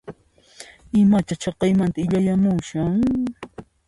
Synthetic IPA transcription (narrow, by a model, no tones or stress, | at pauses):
ɪmat͡ʃat͡ʃɑqɑjmant̪aɪʎajamʊŋʃaŋ